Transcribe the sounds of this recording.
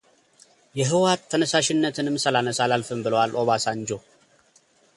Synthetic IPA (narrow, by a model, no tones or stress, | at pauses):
jɛɦɨwat̪ʰːənəsaʃɪnːət̪ʰɨnɨmsəlanəsalalfɨmbɨləwalʔo̞βasand͡ʒo